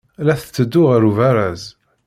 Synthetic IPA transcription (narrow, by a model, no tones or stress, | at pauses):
læθət͡sːəd̪ːʊʁəɾuvæɾæz